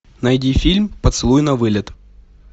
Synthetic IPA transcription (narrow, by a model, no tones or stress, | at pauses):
nɐjdʲifʲilʲmpət̪sɨlˠujnɐvɨlʲɪt̪